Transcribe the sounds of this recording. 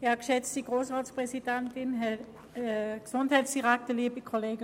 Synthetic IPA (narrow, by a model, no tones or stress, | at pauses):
jakʃɛt͡stiɡ̥ʁoːsʁaːspʁɛsid̥ɛntɪnɦɛ | ksʊnthaɪtsd̥iʁaktəliəbikʰoleːɡə